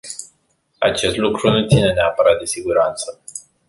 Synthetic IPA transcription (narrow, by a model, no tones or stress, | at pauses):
a̰t͡ʃe̞st̪lukɾunut̪sine̞neapəɾat̪̚d̪e̞siɡuɾant̪sə